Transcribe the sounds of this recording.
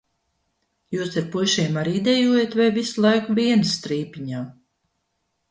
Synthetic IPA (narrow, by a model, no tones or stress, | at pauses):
juːsiɾpuʃiɛmaɾd̪ɛjuːjet̪vajvislˠajkvʲiɛnst̪ɾiːpʲiɲaː